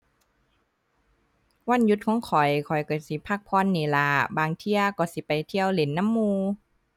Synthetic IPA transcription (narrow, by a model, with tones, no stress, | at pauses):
wa˧˥˨nju˧t̪̚kʰɔː˧˦ŋkʰɔ˨˩jkʰɔ˨˩jkɔ˨˧˩si˨˦pʰaː˧˩k̚pʰɔː˧˨nːeː˨˦laː˨˧˩baː˨ŋt̪ʰi˧əkɔː˧˩si˨˦pa˨˩jt̪ʰi˧əwle˨˦nːa˧˥˨mːuː˧